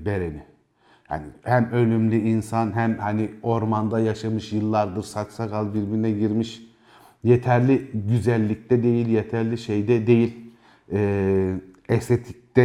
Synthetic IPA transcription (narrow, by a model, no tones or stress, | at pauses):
be̞ɾeni | ha̰nihæmø̞lʲymlʲyinsanɦæmhanio̞ɾmand̪ajaʃamɯʃjɯlˠːaɾd̪ɯɾsat͡ʃsakalˠbiɾbiɾnɛɟiɾmiʃ | jet̪ʰæɾlʲiɟyzælʲːic̚t̪ʰɛd̪e̞jilʲjet̪ʰæɾlʲiʃejd̪ɛd̪e̞jilʲ | ɛː | ɛst̪ʰet̪ʰi̥c̚t̪ɛ